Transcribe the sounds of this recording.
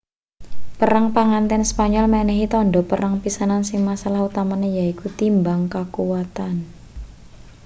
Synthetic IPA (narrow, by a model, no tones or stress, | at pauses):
pəɾaŋpaŋant̪ɛnspaɲɔlmanɛɦit̪ɔɳɖɔpəɾaŋpisanansɪŋmasalahut̪amanejaikut̪imbaŋkakuwat̪an